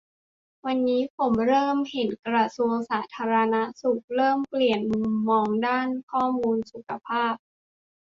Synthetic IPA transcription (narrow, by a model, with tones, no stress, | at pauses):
wa˧nːiː˦˥pʰo˩˦mɾɤː˥˩mhe˨˩˦nkɾa˧su˧əŋsaː˩˦t̪ʰaː˧ɾa˧na˦˥su˨˩k̚ɾɤː˥˩mpli˨˩ənmuu˨˧mːɔː˧ŋdaː˥˩nkʰɔː˥˩muː˧nsu˨˩kʰa˧pʰaː˥˩p̚